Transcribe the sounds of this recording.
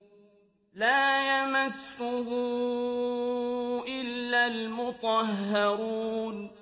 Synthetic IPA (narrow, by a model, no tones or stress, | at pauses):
laːjamasːʊɦʊ | ʔɪlːalmʊt̪ˤɑɦːɑɾuːn